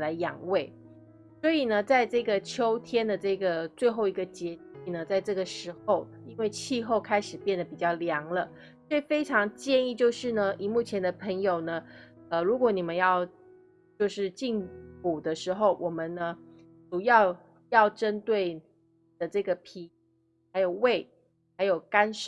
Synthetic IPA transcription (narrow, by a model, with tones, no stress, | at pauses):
la˧˥ɪjɑ̰˨˩ŋwe˥˩ɪ | swɔ˧˥i˨˩nə˦t͡sa˥˧ɪʈ͡ʂɤ˥˩ɡə˩t͡ɕʰjo˥ʊt̪ʰjɛ˥nd̪ə˨ʈ͡ʂɤ˥˩ɡə˩t͡swe˥˧ɪxo˥˩ʊi˧˥ɡə˧t͡ɕjɛ˧˥i˥˩nə˨t͡sa˥˧ɪʈ͡ʂɤ˥˩ɡə˩ʂɻ̩˧˥xo˥˩ʊi˥nwe˥˧ɪt͡ɕʰi˥˧xo˥˩ʊkʰa˥ɪʂɻ̩˨˩pjɛ˥˩nd̪ə˨˩pi˨˩t͡ɕjɑ˥˩ʊljɑ˧˥ŋlə˧ | swe˥˩ɪfe˥ɪʈ͡ʂʰɑ˧˥ŋt͡ɕjɛ˥˧ni˥˧t͡ɕjo˥˧ʊʂɻ̩˥˩nə˩ʔi˨˩mu˥˩t͡ɕʰjɛ˧˥nd̪ə˨pʰə˧˥ŋjo˨˩ʊnə˦ | ə˧˩ɻu˧˥kwɔ˨˧˦ni˨˩mə˦njɑ˥˧ʊ | t͡ɕjo˥˧ʊʂɻ̩˥˧t͡ɕi˥˩ŋpu˨˩d̪ə˦ʂɻ̩˧˥xo˥˩ʊwʔɔ˨˩mə˦nnə˧ | ʈ͡ʂu˨˩jɑ˥˧ʊ | jɑ˥˩ʊʈ͡ʂə˥nt̪we˥˩ɪn | i˨˩d̪ə˦ʈ͡ʂɤ˥˩ɡə˩pʰi˧˥ | xa˧˥ɪjo˨˩ʊwe˥˩ɪ | xa˧˥ɪjo˨˩ʊka˥nʂ